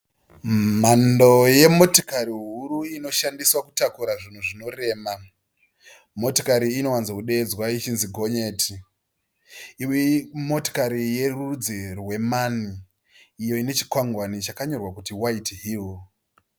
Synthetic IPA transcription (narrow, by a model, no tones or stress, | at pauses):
mando̞je̞mo̞to̥kaɾiɦuɾuino̞ʃandiswakutakuɾaʐin̤uʐino̞re̞ːma | mo̞tokaɾiːno̞wanzakuɗe̞ːd͡zwait͡ʃinziɡʱo̞ɲe̞tʰi | iwimo̞to̥kaɾije̞rud͡zirwe̞maniː | jo̞ine̞t͡ʃi̥kwaŋɡwanit͡ʃakaɲo̞rwakutiwaitɦiːl